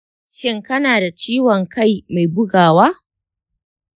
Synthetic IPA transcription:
ʃɪ˦ŋkɐ˦naː˨da˨t͡ʃiː˦wɔ˨ŋka˦˨jma˨jbʊ˦ɡaː˨waː˦

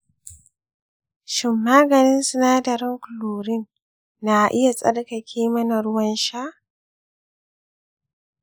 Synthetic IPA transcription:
ʃɪ˨mːaː˦ɡɐ˨nɪ˦nsʊ˦naː˦dɐ˨ɾɪ˦ŋkʊ˨loː˨ɾɪ˦n | na˨ʔɪ˦ja˨sʼɐ˦ɽkɐ˨kʲʰeː˦mɐ˦na˨ɽʊ˦wɐ˦nʃa˦ʔ

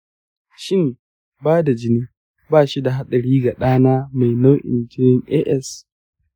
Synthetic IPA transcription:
ʃɪ˦m | baː˦da˨d͡ʒɪ˦niː˦ | baː˦˨ʃi˦da˨ɦa˦ɗɐ˨ɽiː˦ɡa˨ɗaː˦naː˦ma˨jna˦ʔɪ̰˨nd͡ʒɪ˦nɪ˦ŋʔɛː˦ʔɛ˦s

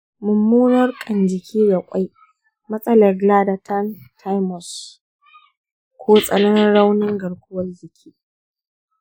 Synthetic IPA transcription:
mʊ˨mːuː˦nɐ˦rkʼɐ˨nd͡ʒɪ˨kʲʰiː˦da˨kʷʼa˦j | mɐ˦sʼɐ˦lɐ˨rɡlaː˦da˨tʰa˦ntʰa˦jmɔ˨s | kʷʰoː˦sʼɐ˦lɐ˦nɪ˦nɽa˦wnɪ˦ŋɡɐ˨ɽkʷʊ˦wɐ˦rzɪ˨kʲʰiː˦

